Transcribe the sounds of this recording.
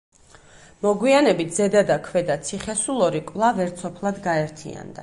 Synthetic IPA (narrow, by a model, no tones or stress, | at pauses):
mɔɡwianɛbit̪̚ʰz̥ɛd̪ad̪akʰvɛd̪at̪sʰiχɛsulˠɔɾikʼvlˠavɛɾt̪sʰɔpʰlˠad̪ɡaɛɾt̪ʰḭa̰nd̪a̰